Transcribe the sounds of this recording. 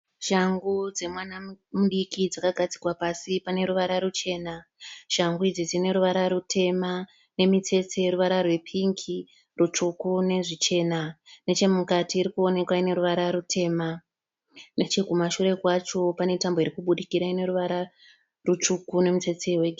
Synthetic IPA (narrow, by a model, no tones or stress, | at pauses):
ʒ̥aŋɡud͡ze̞mwanamuɗikid͡zakaɡʱad͡zi̥kwapasipane̞ɾuʋaɾaɾut͡ʃe̞ːnaʒ̥aŋɡuid͡zid͡zine̞ɾuʋaɾaɾutʰe̞ma | ne̞mit͡se̞t͡se̞ɾuʋaɾarwe̞pʰiŋki | rut͡ʂukune̞ʐit͡ʃe̞nane̞t͡ʃe̞mukatiːɾikuo̞ne̞kwaine̞ɾuʋaɾaɾutʰe̞ːma | net͡ʃekumaʃuɾe̞kwat͡ʃo̞pane̞tamboiɾikuɓuɗikiɾaine̞ɾuʋaɾa | rut͡ʂukune̞mit͡se̞t͡seweɡʱ